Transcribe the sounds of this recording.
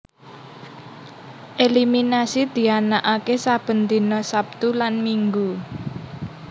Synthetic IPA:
ʔeliminasid̪̥i̤anaʔakesab̥ə̤nt̪inɔsap̚t̪ulanmiŋɡu

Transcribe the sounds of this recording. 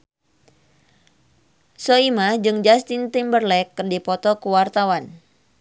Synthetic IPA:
soimad͡ʒɨŋd͡ʒast̪int̪imbərlɛkːɨrdipɔt̪ɔkuwart̪awan

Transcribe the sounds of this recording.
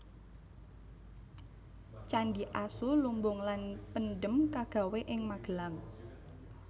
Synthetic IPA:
t͡ʃandiʔasulumbʊŋlanpənɖəmkaɡ̥a̤weʔɪŋmaɡ̥ə̤laŋ

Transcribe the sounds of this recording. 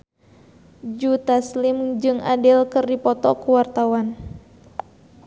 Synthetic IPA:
d͡ʒut̪aslimd͡ʒɨŋadɪlkɨrdipɔt̪ɔkuwart̪awan

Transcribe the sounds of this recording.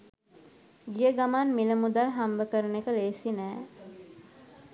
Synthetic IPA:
ɡijəɡamanmiləmud̪alɦambəkəɾənekəleːsinɛː

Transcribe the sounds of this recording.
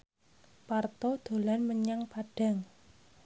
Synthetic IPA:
part̪ɔd̪̥o̤lanməɲaŋpaɖ̥a̤ŋ

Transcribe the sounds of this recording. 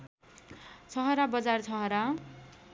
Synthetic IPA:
t͡sʰʌɦʌɾabʌd͡zart͡sʰʌɦʌɾa

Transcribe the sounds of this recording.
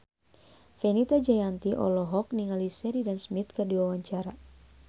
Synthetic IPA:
fɛnit̪ad͡ʒajant̪iʔɔ̰lɔɦɔk̚niŋalisɛɾidansmit̪̚kɨrdiwawaɲt͡ʃaɾa

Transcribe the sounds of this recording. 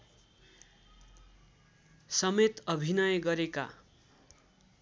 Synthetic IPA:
sʌmet̪ʌbʱinʌjɡʌɾeka̰

